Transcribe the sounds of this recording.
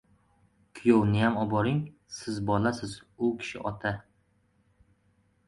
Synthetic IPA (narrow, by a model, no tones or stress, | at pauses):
kʲʰʊjownɪjamɒbɒɾɪŋ | sɪzbɒlasɪzʊkʲʰɪ̥ʃɪ̰ʔɒt̪ʰa